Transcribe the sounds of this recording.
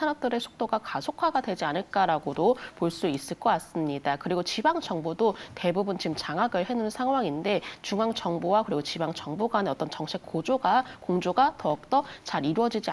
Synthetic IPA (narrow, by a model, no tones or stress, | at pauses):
anʌp̚t͈ɯɾe̞sʰu̥k̚t͈oɡakasʰokʰaɡadwe̞d͡ʑianɯɭk͈aɾaɡodopoɭs͈uis͈ɯɭk͈ʌk͈as͈ɯmɲidakɯɾiɡot͡ɕibaŋd͡ʑʌŋbodote̞bubunt͡ɕimt͡ɕaŋaɡɯɭhe̞nunsʰaŋɦwaŋinde̞t͡ɕuŋaŋt͡ɕʌŋbowakɯɾiɡot͡ɕibaŋt͡ɕʌŋboɡaneʌt͈ʌnt͡ɕʌŋɕʰik̚k͈ːod͡ʑoɡakoŋd͡ʑoɡatʌk̚t͈ʌt͡ɕaɾiɾuʌd͡ʑid͡ʑi